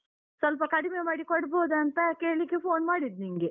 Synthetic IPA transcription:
sɐlp̬ɐkɐɽimemaːɽikɔɽboːd̪ɐɐnt̪ɐkeːɭikːepʰoːnmaːɽid̪niŋɡe

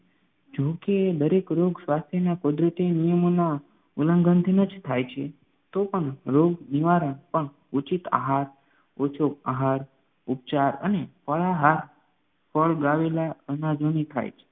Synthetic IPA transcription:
d͡ʒoked̪əɾekɾoɡsʋast̪ʰjənakud̪ɾət̪inijəmona | uləŋɡənt̪ʰinəd͡ʒt̪ʰajt͡ʃʰe | t̪opəɳɾoɡniʋaɾəɳpəɳ | ut͡ʃit̪a̰ɦaɾ | ot͡ʃʰokaɦaɾ | up̚t͡ʃaɾə̰nefəɭaɦaɾ | fəɭɡaʋelaənad͡ʒonit̪ʰa̰jt͡ʃʰe̥

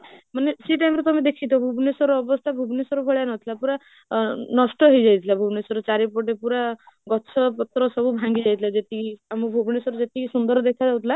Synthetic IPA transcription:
manesiʈajmɾet̪ɔmed̪ekʰit̪ʰɔbʱubnesɔɾɔːbɔst̪ʰabʱubnesɔɾubʱɔɭjanɔt̪ʰilapuɾa | nɔsʈɔɦojd͡ʒajt̪ʰilabʱubnesɔɾɔt͡ʃaɾep̬oʈepuɾa | ɡɔt͡ʃʰɔpɔt̪ɾɔsɔbubʱaŋɡid͡ʒajt̪ʰilad͡ʒet̪iiamɔbʱubʱnesɔɾɔd͡ʒet̪ikisund̪ɔɾɔd̪ekʰad͡ʒawt̪ʰila

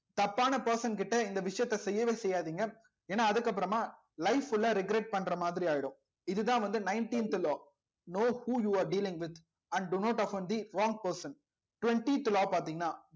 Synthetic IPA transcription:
t̪ɐpːaːnɐpɐɾsɐnkɪʈːɐɪnd̪ɐʋɪʂɐjɐt̪ːɐsɛjːɐʋeːsɛjːaːðiːŋɡɐ | eːnːaːɐðɯkːɐp̬ːɯɾɐmaː | lɐɪfɪlːaɾɪɡɾɛʈ̚pɐɳːɾɐmaːðɪɾiaːjɪɽʊ̃ | ɪðɯt̪ãːʋɐnd̪ɯnɐɪɳʈiːnt̪lɔː | noːhuːjuːaːɾɖiːlɪ̃ŋɡʋɪd̪ | ɐ̃ɳɖɖʊnoːʈɐfɐ̃nd̪iɾɔːŋɡ̚pɐɾsɐn | ʈʊʋɛɳʈit̪ːlɔːpaːɾt̪iːŋɡɐnːaː

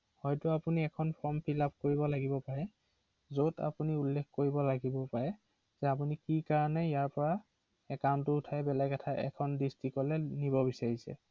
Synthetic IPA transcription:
hɔjtʊapuniɛkʰɔnpʰɔmpʰilap̚koɹibɔlaɡibɔpaɹɛ | zota̰puniulːekkoɹibɔlaɡibɔpaɹɛ | zɛap̬unikikaɹɔnɛijaɹpɔɹa | ɛkawntʊʊtʰajɛbɛlakatʰaʔɛ̰kʰɔndistikɔlɛnibɔbisaɹisɛ̰

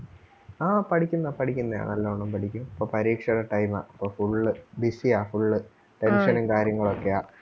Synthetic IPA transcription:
aːpɐʈʰikʲːunːɐpɐʈʰikʲːunːɐða̰ːɳɐlːoːɳːompɐʈʰikʲːumɐpːoːpɐɾiːkʂɐɽɐʈɐjma̰ːʔɐpːoːfuɭːɨbisiaːfuɭːɨ | ʈenʂɐnumkaːɾjɐŋːɐɭo̞kːejaː

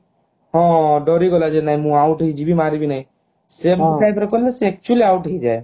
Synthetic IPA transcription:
ɦɔ̃ɖɔɾiɡɔlad͡ʒenaɦĩmũawʈɦɦid͡ʒibʱimaɾibinaj̃ | sebʈajbɔɾkɔɾileseɛk̚t͡ʃuəliawʈɦid͡ʒae

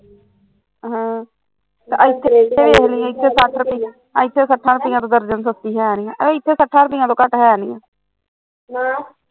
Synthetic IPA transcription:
ɦãː | t̪eʔaɪt̪ʰːeɪt̪ʰːeːʋeːɦniːãːɪt̪ʰːesaʈʰɾəpiã | ɪt̪ʰːeːsəʈʰːãːɾʊpɪːãːt̪õːd̪əɾd͡ʒənsəst̪iːɦɛːnɪjãːʔəeːɪt̪ʰːeːsəʈʰːaːɾəpijãːt̪õːkəʈɦɛːaːniːã̰ː | a

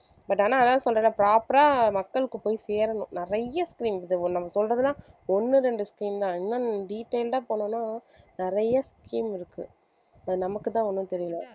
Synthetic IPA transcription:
bɐʈːaːnaːðaːðsɔlɾɐðlãːpɾaːpɐɾaːmɐkːɐɭɯkːɯpoːjiseːɾɐnʊ̃nɪɾɐjɐskɾiːmðɯnɐmːɐsɔlrɾɐðɯlãːɔnːɯɾɛɳɖɯskɾiːmt̪ãːɛnːaːɖiːʈːeːlʈãːpoːnɯːnaː | nɪɾɐjɐskɾiːmɪɾɯkːɯ | ɐðɯnɐmɐkːɯt̪ãːɔnːɯt̪ɛɾɪjɯlɐ

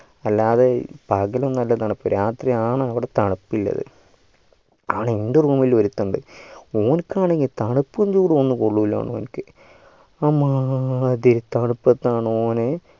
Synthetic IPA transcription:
ɐlːaːðepɐɡɐlɐmnɐlːɐt̪ɐɳɨpːɨɾaːt̪rijaːɳɨɐʋiɽe̞t̪ɐɳɐpːilːɐ̰ðɨ̰ | aːɳeend̪ɐruːmiloɾut̪ːɐɳɖɨ̰o̞ːnkːaːɳeŋɡilt̪ɐɳupːɨɐɲd͡ʑuːɽɨonːɨkoɭːuʋila̰ːɳo̰ːnkːɨ | ɐmːad̪iɾit̪ɐɳupːɐt̪ːaːɳɨoːne

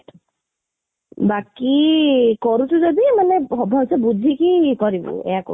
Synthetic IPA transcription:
bakikɔɾusuzɔd̪imanɛxɔbʱasɔbud͡zʱikikɔɹibɔ̰ɛ̰jakɔ̰

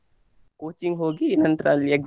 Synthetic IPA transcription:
koːt͡ʃiŋɡɦoːɡiːnɐnt̪ɾaːliekz

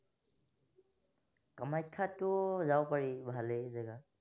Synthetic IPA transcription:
kamaj̚kʰːatʊzawpaɹibʱalezɛɡa

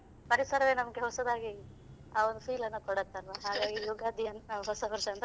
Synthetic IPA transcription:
pɐɾisɐɾɐʋeːnɐmɐɡeɦɔsɐd̪aːɡi | aːʋond̪upʰiːlɐnːɐkɔɽɐt̪ːɐlʋɐɦaːɡaːɡijuɡaːd̪ʱijɐnnɐɦɔsɐʋɐɾʂɐɐnt̪ɐ

